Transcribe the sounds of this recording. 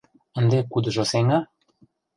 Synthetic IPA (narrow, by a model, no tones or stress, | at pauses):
ə̆nd̪ekud̪ə̆ʒoseŋɑ